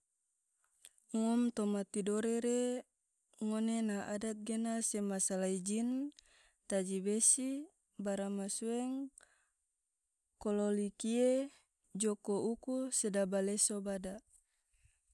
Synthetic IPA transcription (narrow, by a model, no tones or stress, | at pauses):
ŋɔmt̪omat̪idoɾeɾe | ŋonenaʔadat̪̚ɡenasemasalaid͡ʒin | t̪ad͡ʒibesi | baɾamasuɛŋ | kololikie | d͡ʒokoukusedabalesobada